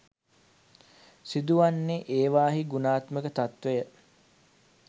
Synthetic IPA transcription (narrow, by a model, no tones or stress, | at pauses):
sid̪uʋanːeʔeːʋaːɦiɡunaːt̪məkət̪at̪ʋejə